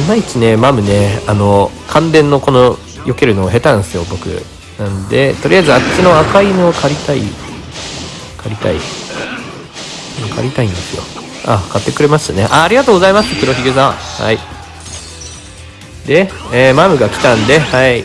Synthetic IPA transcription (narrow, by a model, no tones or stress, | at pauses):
mait͡sɨne̞mamɯ̟ne̞ano̞ | kʰãnd̪ẽ̞nːo̞ko̞no | jo̞ke̞ɾɯ̟no̞ːɦe̞t̪ãñsɨjo̞bo̞kɯ̟̰ | nãnd̪e̞t̪o̞ɾʲiaizɨakt͡ɕino̞akaineokʰaɾʲit̪aḭ | kʰaɾʲit̪a̰ḭ | ɯkʰa̰ɾʲit̪aĩnd̪e̞sɨjo̞̰ | akat̪ːe̞kɯ̟ɾe̞mast̪ane̞ʔaːɾʲiɡat̪oːɡo̞zaimasɨkɯ̟ɾo̞çiɡɯsãha̰i | d̪e̞eːmamɯ̟ɡakʲi̥t̪ãnd̪e̞hai